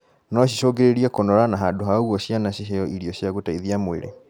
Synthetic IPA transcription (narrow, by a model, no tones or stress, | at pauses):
nɔɕ̬iʃɔːɡeɾeɾiakonɔɾanaɦaːndoɦaɣwɔɕjanaɕiɦɛɔʔiɾiɔɕjaɣotaiðiamwḛɾḛ